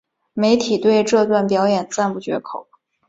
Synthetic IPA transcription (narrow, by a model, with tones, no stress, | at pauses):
me˧˥ɪt̪ʰi˨˩t̪we˥˧ɪʈ͡ʂɤ˥˧t̪wa˥˩npjɑ˧˥ʊjɛ˨˩nt͡sa˥˧npu˥˩t͡ɕɥɛ̰˧˥kʰo˨˩˦ʊ